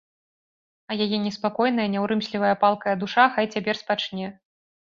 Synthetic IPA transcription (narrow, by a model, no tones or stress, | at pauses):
ɐjajɛnʲɛspakɔjn̪ɐjɐnʲɛwɾɨmsʲlʲivɐjɐpalˠkɐjɐd̪uʂaxajt͡sʲapʲɛrspat͡ʂnʲɛ